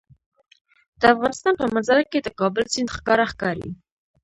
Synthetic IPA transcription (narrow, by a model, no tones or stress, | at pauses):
d̪̥əɑfʁɑnəst̪ɑnpʰɑmɑt͡sɑɾɑkɛt̪əkɑbɛlt͡sʰint̪χkɑɾɑχkɑɾḭ